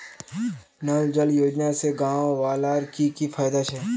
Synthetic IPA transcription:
nald͡ʒəljoːd͡ʒnaseɡãːʋʋaːlaːɾkikifʰaːjd̪at͡ʃʰɛː

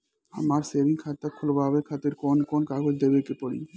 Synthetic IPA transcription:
a̰maɾsebʱiŋkʰat̪ːakʰolobʱabekʰat̪eɾkonkonkaɡʱoɾd̪ebekepɔɽḭ

